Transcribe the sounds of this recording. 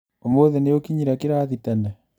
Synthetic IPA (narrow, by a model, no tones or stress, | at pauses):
omoðenejokiɲiɾakiɾaðitɛnɛ